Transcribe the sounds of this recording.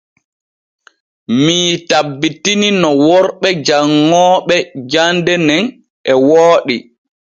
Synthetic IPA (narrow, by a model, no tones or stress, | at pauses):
miːtabːitininɔwɔɾɓɛd͡ʒaŋːɔːɓɛd͡ʒandɛnɛn | ɛwoːɗi